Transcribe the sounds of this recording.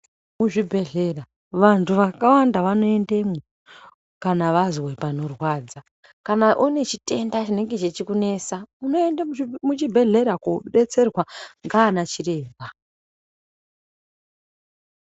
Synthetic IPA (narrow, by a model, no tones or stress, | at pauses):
muʐibʱe̞ɮe̞ra | ʋantʰuʋakawandaʋano̞e̞nde̞mo | kanaʋazwepano̞rwaːd͡za | kanaʔune̞t͡ʃi̥te̞ndat͡ʃine̞ŋɡe̞t͡ʃet͡ʃikune̞saunoendamut͡ʃibʱe̞ɮe̞ɾakoɗe̞t͡se̞rwaŋɡaːnat͡ʃire̞ːba